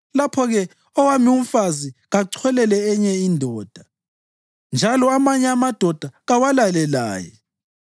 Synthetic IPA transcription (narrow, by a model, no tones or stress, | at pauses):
lapʰɔɣɛ | ɔwamium̩faziɣaǀʰwɛlɛlɛɛɲɛindʱɔːd̥ʱa | nd͡ʒʱalɔamaɲɛamad̥ʱɔd̥ʱaɣawalalɛla̰ːjɛ̰